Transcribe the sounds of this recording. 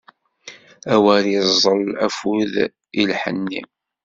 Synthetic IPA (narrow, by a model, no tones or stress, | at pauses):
æwæɾjəzˤəlæfuð | ilħə̰nːḭ